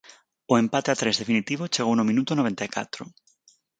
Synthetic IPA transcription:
oempat̪eat̪ɾezðe̞finit̪iβ̞ot͡ʃeɣ̞ownomĩnut̪onoβ̞ent̪ajka̰t̪ɾo

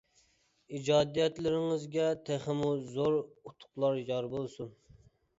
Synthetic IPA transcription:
id͡ʒɑːd̪ijɛt̪lɪɾɪŋɪzɡʲɛt̪ʰæχɪmuzoɾut̪ʰʊ̥qlˠɑɾjɑɾbolˠsun

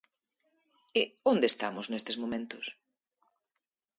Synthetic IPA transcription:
ɪond̪est̪amʊznest̪ezmõmẽnt̪ʊs

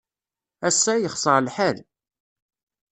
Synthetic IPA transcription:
æsːæjəχsˤəʁlħæl

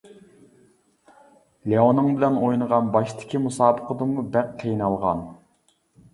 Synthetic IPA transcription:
leonːɨŋbɪlɛnojnəʁɑnbɑʃt̪ʰɪ̥kʲimusɑːbəqəd̪ɨmubæqqʰːejnɑlˠʁɑ̰n

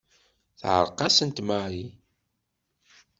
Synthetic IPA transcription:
θʕə̰ɾˤqɑsənt̪maɾi

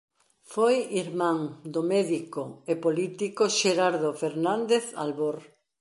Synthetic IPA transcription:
fojiɾmãŋd̪omɛðikoepolit̪ikoʃeɾaɾðofeɾnãnd̪eθa̰lβoɾ

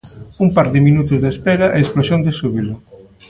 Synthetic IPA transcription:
umpaɾðɪminut̪ʊzðespɛɾɐʔeesplosjond̪esuβilʊ

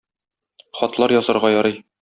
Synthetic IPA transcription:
χɒt̪lˠɑɾjɒzɤ̆ɾʁɑjɒɾɤj

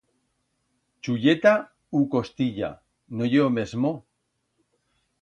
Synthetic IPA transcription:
t͡ʃuʎet̪a | uko̞st̪iʎa̰ | nojeome̞zmo

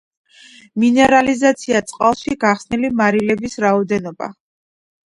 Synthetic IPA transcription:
minɛɾalizat̪sʰiat̪sʼqʼalˠʃiɡaχsnilimaɾilɛbisɾaɔd̪ɛnɔba̰

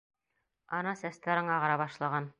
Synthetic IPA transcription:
ɑnɑsæst̪æɾɤɴɑʁɑɾɑbɑʃlˠɑʁɑn

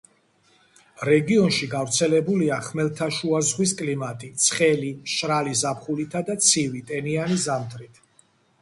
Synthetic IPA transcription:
ɾɛɡiɔnʃiɡavɾt̪sʰɛlɛbuliaχmɛlt̪ʰaʃuazʁwiskʼlimat̪ʼit̪sʰχɛliʃɾalizapʰχulit̪ʰad̪at̪sʰivit̪ʼɛnianizamt̪ʰɾit̪ʰ

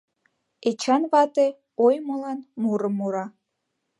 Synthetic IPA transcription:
et͡ɕɑnβɑt̪e | ojmolɑnmuɾəmːuɾɑ

